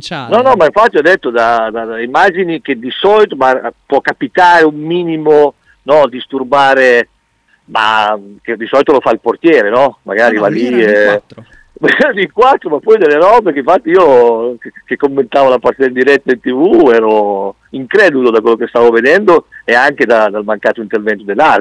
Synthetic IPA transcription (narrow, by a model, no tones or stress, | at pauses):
nɔnɔmaiɱfat̪ːiɔd̪ːet̪ːod̪ad̪ad̪aimad͡ʒinik̟ed̪isɔlit̪omapwɔkːapit̪aːɾeumːiːnimo | nɔd̪ist̪urbaːɾe | ma̰ked̪isɔlit̪olofailport̪jɛːɾenɔma̰ɡaːɾivali | likwat̪ːɾomapːɔjd̪elːeɾɔːbekeiɱfat̪ːiiːokkːekːomːent̪aːvolapart̪ed̪eld̪iɾɛt̪ːailt̪ivuɛːɾo | iŋkɾɛːd̪ulod̪akwelːokest̪aːvoved̪ɛnd̪oɛaŋked̪ad̪almaŋkaːt̪oint̪ervɛnt̪od̪elːar